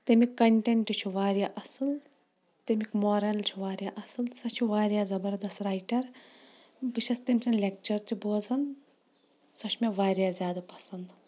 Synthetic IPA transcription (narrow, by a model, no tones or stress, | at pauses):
t̪emikːɐɳʈeɳʈit͡ʃʰuʋaːɾʲjaːʔɐsɨl | t̪emikmoːɾɐlt͡ʃʰuʋaːɾjaʔɐsɨlsɐt͡ʃʰuʋaːɾjaːzɐbɐɾd̪ɐst̪ɾaːjʈɐɾ | bɨʃʰɐst̪emʲsʲɐnlʲek̚t͡ʃɐɾt̪ʰuboːzɐn | sɐʃʰmeʋaːɾjaːzʲjaːd̪ɐpɐsɐnd̪